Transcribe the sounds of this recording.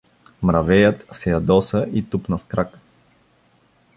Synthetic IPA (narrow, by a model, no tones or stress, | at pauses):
mɾɐvɛjət̪sɛjɐd̪ɔsəʔit̪upnɐskɾak